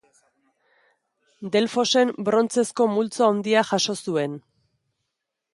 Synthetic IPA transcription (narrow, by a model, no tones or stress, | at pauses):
d̪e̞lfo̞se̞mbɾo̞nt͡se̞sko̞mult͡saond̪iaxaʃo̞sue̞n